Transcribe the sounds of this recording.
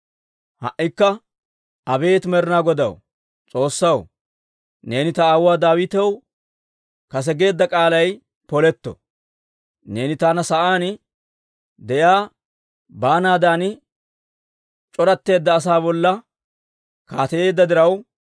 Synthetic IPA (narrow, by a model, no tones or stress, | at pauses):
hɐ̰ʔːɪkːɐ | ɐbe̞ːt̪mɛɾɪnaːɡɔd̪ɐ̰w | t͡sʼo̞ːsːɐw | ne̞ːnɪt̪ɐaːwːaːd̪aːwɪt̪ɛw | kɐs̬ɛɡe̞ːd̪ːɐkʼaːlɐj | pɔlɛt̪ːɔ̰ | ne̞ːnɪt̪aːnɐsɐʔaːn | d̪ɛjaː | baːnaːd̪aːn | t͡ʃʼɔɾɐt̪ːe̞ːd̪ːɐːs̬aːbɔlːɐ | kaːt̪ɛje̞ːd̪ːɐd̪ɪɾɐw